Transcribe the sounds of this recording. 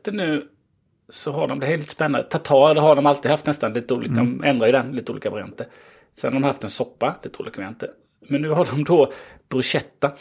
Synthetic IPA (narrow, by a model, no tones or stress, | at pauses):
t̪ənʉ̟ː | sɔɦaɖɔmblɪlit̪əspɛnːa̰d̪ət̪ʰat̪ʰɑːd̪ɛɦaɖɔmalt̪ɪːd̪haft̪nɛst̪anliːt̪əuːliːkaʔɛnd̪ɾajɪd̪ɛnliːt̪əuːliːkavaɾɪa̰nt̪ə | sɛnhaɾɖ̪ɔmhaft̪ɛnsɔpːaliːt̪əuːliːkavaɾant̪ə | mɛnːʉ̟ːɦaɖɔmd̪ɔb̥ɾɵɕɛt̪ːa